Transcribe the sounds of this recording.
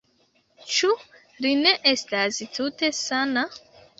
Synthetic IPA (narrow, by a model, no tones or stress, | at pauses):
t͡ʃu | line̞ʔe̞stastute̞sana